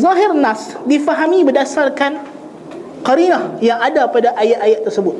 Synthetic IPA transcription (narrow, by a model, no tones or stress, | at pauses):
zaɦɪrnãsdifaɦamĩbədasarkan | kaɾinahjaŋadapadaʔajaʔajaʔ̪̚ːərsəbʊt̪̚